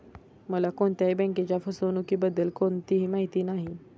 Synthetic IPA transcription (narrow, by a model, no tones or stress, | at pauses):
məlakoɳt̪jaɦibɛ̃ŋket͡ɕjafəsonukiːbəd̪ːəlkont̪iɦiːmaɦit̪iːnaɦi